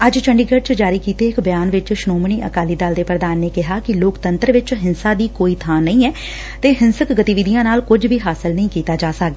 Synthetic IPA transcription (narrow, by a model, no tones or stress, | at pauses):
əd͡ʒt͡ʃʰəɳɖiːɡəɖ̚t͡ʃd͡ʒaːɾiːkiːt̪eːɪkbəjaːnʋɪt͡ʃʃʊnoːmɳiːʔə̰kaːliːd̪aːld̪eːpɾəd̪aːnːeːkɪɦaːkɪloːkt̪ənt̪əɾʋɪt͡ʃɦɪnsaːd̪iːkoːiːt̪ʰaːnːəĩːɛː | t̪eːɦɪnsəkɡət̪iːʋɪd̪ijãːnaːlkʊd͡ʒʋiːɦaːsɪlnəĩːkiːt̪aːd͡ʒaːsəkɡd̪ː